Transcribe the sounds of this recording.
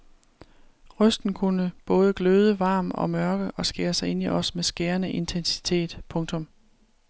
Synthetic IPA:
ʁœsd̥n̩kʰunəb̥ɔ̽ːð̞ˠəɡ̥løð̞ˠəʋɑ̈ːmɒ̽mɶɐɡ̥əʔɒ̽sɡ̥eːɐsɑ̈ɪe̝n̰iʔɒ̽smesɡ̥eːɐnəʔe̝nt͡sʰensi̥t͡sʰe̝̰ːd̥pʰɔ̽ŋt͡sʰɔ̽m

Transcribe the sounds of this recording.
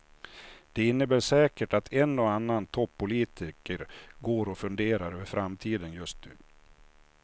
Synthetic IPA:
d̪̥ɛɪnːəbæːʂɛːkəʈat̪ʰɛnːɔanːant̪ʰɔpʰːʊliːt̪ʰɪkəɾɡoːɾɔfɵnd̪eːɾaɾøːvəɾfɾamt̪ʰiːd̪ənjɵst̪̚nʉ̟̰ː

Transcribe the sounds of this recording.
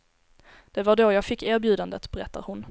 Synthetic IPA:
d̪̥ɛvaɖojɑːɡfɪkːæːɾbjʉ̟ːd̪and̪ət̪bɛɾɛt̪ːa̰ɾhʊn

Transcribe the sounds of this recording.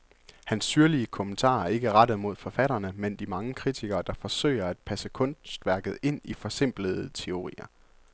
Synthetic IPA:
hænsːyɐliəkʰomənt͡sʰɑ̰̈ːe̝ɡ̥əʁɑɾ̥ð̩ˠmo̝ð̞̰ˠfɒ̽fæɾ̥ɐnəmend̥imɑ̈ŋəkʰʁit͡sʰiɡ̥ɐːd̥ɑ̈fɒ̽sø̰ɪ̰ɐæd̥̚pʰæsəkʰɔ̽nsd̥ʋæɐɡ̥ð̞̩ˠe̝n̰ifɒ̽se̝m̰b̥ləð̩ˠt͡sʰe̝o̝ʁḭːɐ

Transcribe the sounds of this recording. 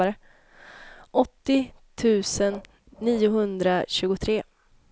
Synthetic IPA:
aɾə | ʔɔt̪ːɪt̪ʰʉ̟ːsənː | iːʊɦɵnd̪ɾaɕʉ̟ːɡʊt̪ʰɾeː

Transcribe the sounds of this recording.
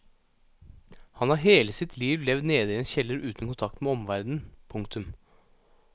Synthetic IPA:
hɑnhɑɾɦeːləsɪt̪ʰliːʋlɛʋd̪neːd̪əɪɛːnçɛlːəɾʉːt̪nkʊnt̪ʰɑkt̪meːɔmʋæɾd̪n̩pʰʊŋk̚t̪ʉm

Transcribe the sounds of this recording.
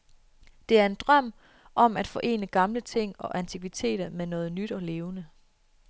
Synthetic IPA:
d̥e̝æɐe̝nd̥ʁɶm̰ | ʔɒ̽m̰æd̥fɒ̽ʔe̝̰ːnəɡ̥ɑ̈mlət͡sʰe̝ŋ̰ɒ̽ʔænt͡sʰiɡ̥ʋit͡sʰe̝̰ːd̥ɐmenɔ̽ːð̩ˠnyd̥ɒ̽le̝ːʊnə

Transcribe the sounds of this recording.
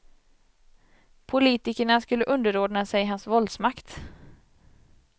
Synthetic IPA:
pʰʊliːt̪ɪkəɳaskɵlːəʔɵnd̪əɾoːdnasɛjɦansvɔld̪smakt̪

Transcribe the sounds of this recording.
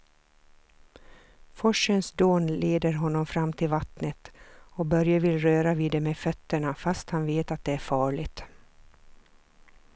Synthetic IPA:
fɔʂənsd̪oːnleːd̪əɾɦɔnːɔmfɾamːt̪ʰɪlvat̪nət̪ɔbœɾjavɪlɾøːɾaviːd̪ɛmefœt̪ːəɳafast̪hanveːt̪at̪̚d̪ɛæɾfɑːɭɪt̪

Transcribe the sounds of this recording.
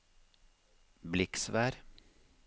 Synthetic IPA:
blɪksʋæːɾ

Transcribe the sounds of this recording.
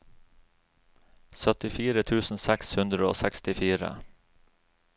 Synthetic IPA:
sœt̪ɪfiːɾət̪ʰʉːsn̩sɛkshʉnd̪ɾəo̰ːsɛkst̪ɪfiːɾə̰

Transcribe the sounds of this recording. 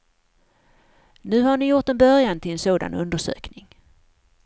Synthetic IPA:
nʉ̟ːhaɳɪjʊʈɛnbœɾjant̪ʰɪlɛnsoːd̪a̰nɵnd̪əʂø̰ːknɪŋ

